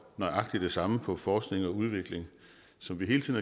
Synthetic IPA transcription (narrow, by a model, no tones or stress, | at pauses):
nɒɪʔɑ̈ɡ̥d̥id̥e̝sɑ̈məpʰɒ̽fɒːsɡ̥ne̝ŋɒ̽uð̞ˠʋe̝ɡ̥le̝ŋ | sɒ̽mʋiɦe̝ːləið̩ˠæ